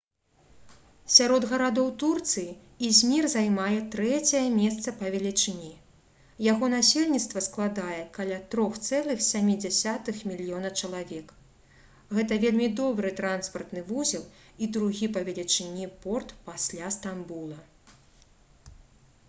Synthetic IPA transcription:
sʲaɾɔd̪ɣɐɾad̪ɔwt̪urt̪sɨji | izʲmʲirzajmajɛt̪ɾɛt͡sʲɐjɛmʲɛst̪sɐpɐvʲɛlʲit͡ʂɨnʲi | jaɣɔnasʲelʲnʲit̪st̪vɐsklˠad̪ajɛkalʲat̪ɾɔxt̪sɛlˠɨxsʲamʲid͡zʲasʲat̪ɨxmʲilʲijɔnɐwt͡ʂɐlˠavʲɛk | ɣɛt̪ɐvʲelʲmʲid̪ɔbɾɨt̪ɾanspɐrt̪nɨvuzʲilˠid̪ɾuɣʲipɐvʲɛlʲit͡ʂɨnʲipɔrt̪pasʲlʲast̪ambulˠɐ

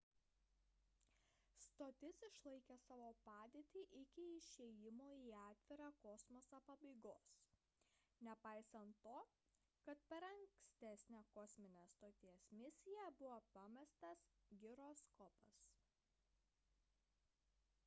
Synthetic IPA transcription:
st̪oːt̪ʲɪsɪʃlˠɐɪkʲɛsɑːʋoːpɑːd̪ʲeːt̪ʲiːʔɪkʲɪɪʃʲeːjɪmoːiɑːt̪ʲʋʲɪɾɑkɔsmosɐpɐbɐɪɡoːs | nʲɛpɑˑɪsɐnt̪ːoː | kɐt̪pʲɛɾɐŋʲkʲsʲt̪ʲæsʲnʲæːkɔsʲmʲɪnʲæst̪oːt̪ʲiɛsmʲɪsʲɪjɛbʊʋopɐmʲɛst̪ɐsɡʲɪɾoːskɔpɐs

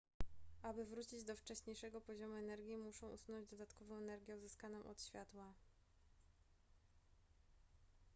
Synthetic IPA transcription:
ʔabɘvɾut͡ɕid͡ʑd̪ɔft͡ʂɛɕɲejʂɛɡɔpɔʑɔmuɛnɛɾɡʲimuʂɔ̃w̃ʔṵsunɔ̃ɲd͡ʑd̪ɔd̪at̪kɔvɔ̃w̃ɛnɛɾɡʲjɛuzɘskanɔ̃w̃ʔɔ̰t̪ɕfʲjat̪wa

